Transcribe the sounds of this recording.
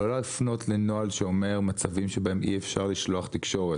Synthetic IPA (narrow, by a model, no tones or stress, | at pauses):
olalifno̞t̪lenoalʃeo̞me̞ʁmat͡savimʃebaemʔḭefʃaʁliʃloaχt̪ikʃo̞ʁe